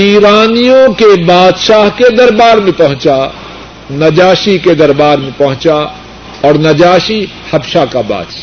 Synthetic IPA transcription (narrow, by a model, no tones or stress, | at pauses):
iːɾaːnijõkebaːd̪ʃaːɦked̪ɐɾbaːɾmẽpɐɦʊ̃t͡ʃa | nɐd͡ʒaːʃiked̪ɐɾbaːɾmẽpɐɦʊ̃t͡ʃa | ɔːɾnɐd͡ʒaːʃi | hɐbʃakaba̰ːd̪ʃa